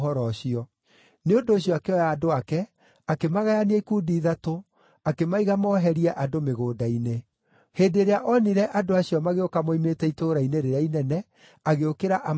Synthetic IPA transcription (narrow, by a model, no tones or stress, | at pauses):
ɔɾɔɕiɔ | neondoːɕjɔakeɔjaːdoakɛ | akemaɣajaniaikuːdiðato | akemaiɣamɔɦɛɾiɛʔadomeɣoːdaine | heːdeɾeaʔɔniɾɛʔadoaɕiɔmaɣeokamoimetɛitoɾaineɾeɾainɛnɛ | aɣeokeɾaʔa